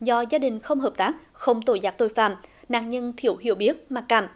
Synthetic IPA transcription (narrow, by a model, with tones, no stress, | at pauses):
zɔ˧zaː˧ɗï˨˩ŋ̟xə˧wŋ͡mɦəː˨˩p̚t̪aː˦˥k̚ | xə˧wŋ͡mt̪o˧˩jzaː˦˥t̪o˧˨jfa̰ː˧˩mna̰ː˧˨ŋɲə˧nt̪ʰi˧˩əwhḭ˧˨əwɓi˦˥ət̚maː˨˩k̚kːaː˧˩m